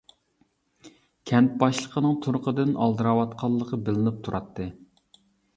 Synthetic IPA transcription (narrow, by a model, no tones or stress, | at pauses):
kʲʰɛnt̪̚bɑʃlˠəqʰənɨŋt̪ʰuɾʊqəd̪ɨnʔɑ̰lˠd̪ɨɾɑwɑt̪qʰɑlˠːəqʰəbɪlɪnɪp̚t̪ʰuɾʔɑt̪ːɨ